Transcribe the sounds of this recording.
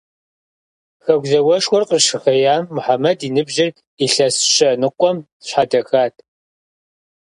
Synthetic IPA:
xɐɡʷzɐwɐʂwɔrqəʂɨxɐjaːmːʊħamɐdinɨbʑɪr | iɬɐsɕɐnɨqʷʼɔm | ɕħadɐxaːtʰʼ

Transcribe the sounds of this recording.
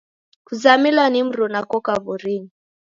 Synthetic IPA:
kuzamilanim̩ɾɔnakɔkaβɔɾini

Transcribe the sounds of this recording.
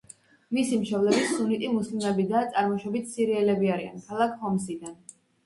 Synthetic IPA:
misimʃɔblɛbisunit̪ʼimuslimɛbid̪at̪sʼaɾmɔʃɔbit̪ʰsiɾiɛlɛbiaɾia̰nkʰalˠakʰhɔmsid̪an

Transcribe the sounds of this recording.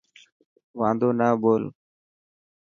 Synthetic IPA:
ʋãːnd̪oːnaːboːl

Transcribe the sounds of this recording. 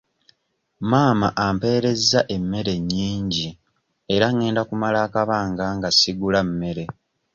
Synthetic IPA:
maːmaʔampe̞ːɾe̞zːaʔe̞mːe̞ɾe̞ɲːiːɲɟi | eɾaŋe̞ːndakumalaːkaβaːŋɡaŋɡasiɡulamːe̞ɾe̞

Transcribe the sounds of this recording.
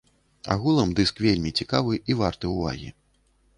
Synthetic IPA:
a̰ɣulˠɐmd̪ɨskvʲelʲmʲit͡sʲikavɨʔivart̪ɨuva̰ɣʲḭ

